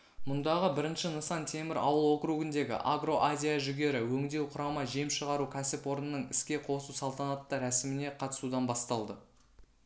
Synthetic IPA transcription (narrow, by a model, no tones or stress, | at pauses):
mʊnd̪ɑʁəbɪɾɪnʃɪnəsɑnt̪ʰe̞mɪɾɑ̰wəlˠwo̞qɾuɡɪnd̪e̞ɡʲɪ̰ʔaɡro̞ʔazʲijaʒʏɡʲe̞ɾɪwɵŋd̪e̞wqʰʊɾɑmɑʒiemʃəʁɑɾukʲʰæsɪpwo̞ɾənənəɴɪ̰skʲe̞qʰo̞susɑlˠt̪ɑnɑt̪ːɑɾæsɪmɪne̞qʰɑt̪ə̥sud̪ɑnbɑst̪ɑlˠd̪ə